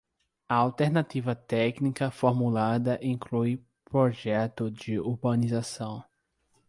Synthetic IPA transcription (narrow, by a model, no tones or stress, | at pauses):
ɐawt̪eɾnat̪ivɐt̪ɛknikɐfoɾmulad̪ɐʔĩŋkluj | pɾoʒɛt̪ʊd͡ʒɪuɾbɐ̃nizasɐ̃w̃